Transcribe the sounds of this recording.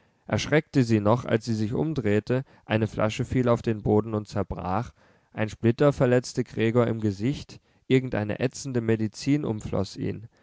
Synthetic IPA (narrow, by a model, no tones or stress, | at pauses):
ʔɛɐʃʁ̥ɛk̚təziːnɔχʔa̰lsz̥iːzɪçʔʊ̰mdʁeːtə | ʔaɪnəflʔa̰ʃəfiːlaʊfd̥eːnboːdn̩ʊnt̚t͡sɛɐbʁa̰ːχ | ʔaɪnʃplɪtɐfɛɐlɛt͡stəɡʁɛːɡoːɐɪmɡəzɪçt | ʔɪɐɡŋ̩tʔa̰ɪnə̰ʔɛt͡sn̩dəmedit͡siːnʔʊ̰mflɔ̰sʔḭːn